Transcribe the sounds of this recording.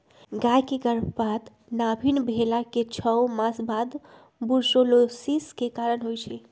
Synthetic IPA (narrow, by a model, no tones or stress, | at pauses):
ɡajkeɡəɾbʱbad̪ | nabʱinbʱelaket͡ʃʰəwmãsbad̪ | buɾsolosiskekaɾənɦojt͡ʃʰɛ